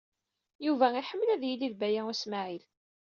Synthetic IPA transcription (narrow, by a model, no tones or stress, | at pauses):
juvæiħəmːlæðjiliðbæjæusmaʕil